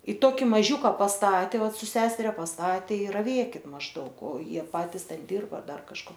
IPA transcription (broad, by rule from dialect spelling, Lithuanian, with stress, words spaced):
ɪ ˈtoːkʲɪ ˈmɑːʒʲuːkɐ pɐsˈtɑːtʲɛ ˈʋɐt ˈsʊ ˈsʲæːsʲɛrʲɛ pɐsˈtɑːtʲeː ɪ rɐˈʋʲeːkʲɪt mɐʒˈdɐʊk oː ˈjiɛ ˈpɑːtʲɪs ˈtʲɛn ˈdʲɪrbɐ ˈdɐr kɐʃˈkoː